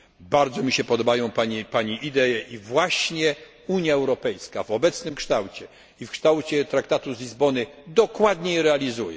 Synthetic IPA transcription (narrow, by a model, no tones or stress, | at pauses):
baɾd̪zɔmʲiɕɛpɔd̪ɔbajɔ̃w̃paɲɛpaɲiʔid̪ɛjɛʔivwaɕɲɛ | uɲjaɛwɾɔpɛjskavɔbɛt̪snɘmkʂt̪awt͡ɕɛ | ifkʂt̪awt͡ɕɛt̪ɾakt̪at̪uzlʲizbɔnɘd̪ɔkwad̪ɲɛjɛɾɛalʲizujɛ̰